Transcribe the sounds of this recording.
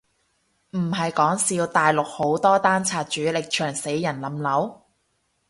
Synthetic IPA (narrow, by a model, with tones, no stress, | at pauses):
m̩˨˩ɦɐ˨jkɔː˨˥ŋsiː˧wt̪aː˨jlʊ˨k̚ho˨˥wt̪ɔː˥t̪aː˥nt͡sʰaː˨t̚t͡ʃyː˨˥lɪ˨k̚t͡ʃʰœː˨˩ŋse˨˥jːɐ˨˩nlɐ˨˥mlɐ˨˥w